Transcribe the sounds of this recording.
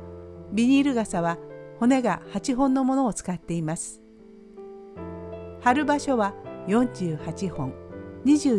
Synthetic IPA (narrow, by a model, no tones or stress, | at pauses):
bʲiɲ̟iɾɯ̟ɡasaβaho̞ne̞ɡahat͡ɕiɦõ̞nːo̞mo̞no̞ːt͡sɨ̥kat̪ːe̞imasɨ̥ | haɾɯ̟baɕo̞βajõ̞ɲ̟d͡ʑɨːhat͡ɕihõ̞ŋɲiʑɨː